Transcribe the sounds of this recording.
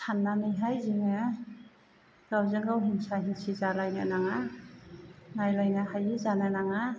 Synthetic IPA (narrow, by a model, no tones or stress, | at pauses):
sʰanːamɯjɦajziŋɯ | ɡ̥awzɯŋɡawɦinsaɦinsizalajna̰naŋa | najlajnahajizananaŋa